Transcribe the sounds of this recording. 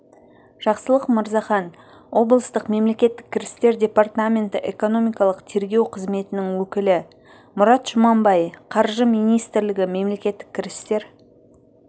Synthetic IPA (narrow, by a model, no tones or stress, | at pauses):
ʒ̥ɑqsəlˠəqməɾzɑχɑn | wo̞blˠəst̪əqme̞mle̞kʲe̞t̪ːɪ̥kʲʰːɪɾɪst̪e̞ɾdʲe̞part̪amʲe̞nt̪ɪʔe̞ko̞no̞mʲijkɑlˠəqt̪ʰe̞ɾɡʲe̞wqʰəzme̞t̪ɪnɪŋwɵkʲɪlɪ | mʊɾɑt̪ʒ̥ʊmɑmbɑjqʰɑɾʒəmijnijst̪ɪɾlɪɡʲɪme̞mle̞kʲe̞t̪ːɪkʲʰːɪɾɪst̪e̞ɾ